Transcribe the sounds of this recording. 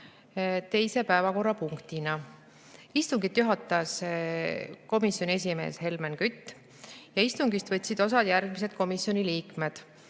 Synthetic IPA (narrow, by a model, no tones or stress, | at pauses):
t̪e̞jse̞pæevɑko̞rːɑpuŋkt̪inɑ | ist̪uŋɡit̪ːˑjuɦɑt̪ːˑɑs | ko̞misˑjonʲie̞s̬ʲime̞̰ːshe̞lmenkyt̪ː | jɑist̪uŋɡist̪v̥ɤt̪ʲːsid̪̥o̞s̬ɑd̪̥jærɡ̥mise̞d̪̥ko̞misːjo̞niliːkme̞d̪̥